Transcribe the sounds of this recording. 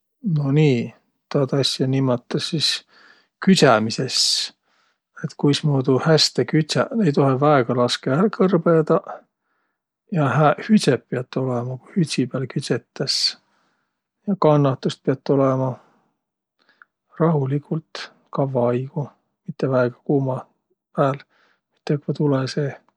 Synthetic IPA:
no̞niː | t̪ɑt̪ɑsʲjɑnimːɑt̪ːɑsːis | kysæmise̞s | et̪kujsmuːd̪uhæst̪ekyt̪sænejt̪o̞ɦevæeɡ̥ɑlɑskeærkɤrb̥ed̪̥ɑ | jɑhæhysepːeɑt̪ːo̞lemɑkuhyt̪ʲsipæːlkyset̪ːɑs | jɑkɑnːɑt̪ːˑust̪̚peɑt̪ːo̞lemɑ | rɑɦulikult̪ | kɑvːɑɑjɡ̥u | mit̪ːevæeɡ̥ɑ̥kuːmɑ | pæːl | mit̪ːˑekvɑt̪uleseː

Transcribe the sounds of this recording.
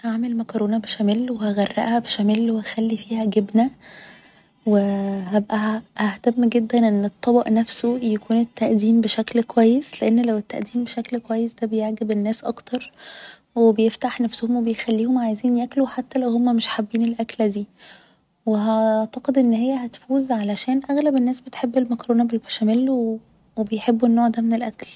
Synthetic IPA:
haʕmelmækɑɾˤoːnɑbeʃæmæːlwehæɣærˤːæ̰ʔhæbeʃæmæːlweæxælːifiːhæɡebnæ | weɦæbʔæʔæht̪æmːɡed̪ːænʔenːet̪ˤːɑbɑʔnæfsojækʰuːnet̪ːæʔd̪iːmbeʃæklkowæjːesleʔenːlæwet̪ːaʔd̪iːmbeʃæklkowæjːesd̪æbejeʕɡebenːæːsʔɑ̰kt̪ɑɾˤ | webejeft̪aħnæfsohomwebejxælːiːhomajziːnjækluħat̪ːælæwhomːæmeʃħabːiːnelʔækld̪iː | weɦɑʕt̪ɑqed̪ʔenːhejːæhæt̪fuːzʕalæʃæːnʔæɣlæbenːæːsbet̪ħebːelmækɾoːnæbelbæʃæmel | webejħebːuenːoːʕd̪æmenelʔækl

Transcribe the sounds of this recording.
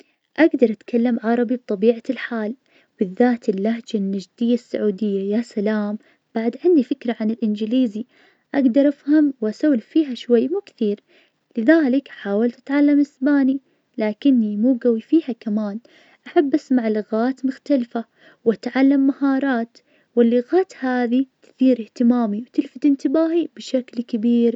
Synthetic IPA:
ʔaɡd̪ɑɾˤʔat̪kʰalːamʕɑɾˤɑbib̚t̪ˤɑbiːʕalħaːl | b̥ɪðːaːt̪ɪlːahd͡ʒanːad͡ʒd̪ɪjːasːa̰ʕuːd̪ɪjːajasalaːm | b̥aʕd̪ʕɪnd̪ifɪkɾaʕanɪlʔɪnd͡ʒɪliːzi | ʔaɡd̪ɑɾˤʔafhamwʔasawlfiːɦaʃwajːmuːkθiːɾ | lɪðaːlɪkħaːwalt̪ʔat̪ʕalːamʔɪsbaːni | laːkɪnːimuːɡawːifiːhakamaːn | ʔaħabːʔasmaʕlɪɣaːt̪mʊxt̪alfa | wʔat̪ʕalːamːahɑːɾˤɑːt̪ | wɪlːɪɣaːt̪haːðit̪ɪ̥θiːɾɪht̪ɪmaːmiwt̪ɪlfɪt̪ɪnt̪ɪbaːhibɪʃaklkabiːɾ

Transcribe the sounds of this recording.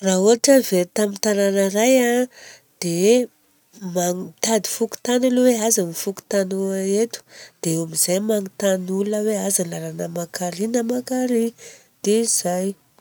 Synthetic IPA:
raɦuaʈ͡ʂəvelt̪amit̪ananəɾaja | d̪̥e | maŋt̪ad̪ifuku̥t̪analuweazamifuku̥t̪anuaet̪u̥d̪̥eomizajmaŋit̪anulunəweazalaɾanəmakaɾinamakaɾi | d̪̥eiz̥aj

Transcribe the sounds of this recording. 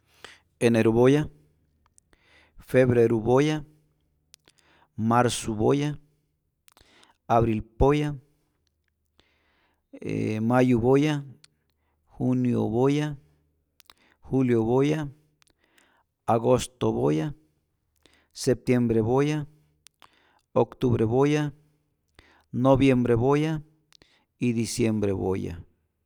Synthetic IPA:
eneɾuβoja | feβɾeɾuboja | maɾsuβoja | aβɾilpoja | majuβoja | hunjo̰βoja | xuljoβoja | aɣost̪oβoja | sep̚t̪jembɾeβoja | okt̪uβɾeβoja | noβjembɾeβoja | id̪isjembɾḛβo̰ja̰

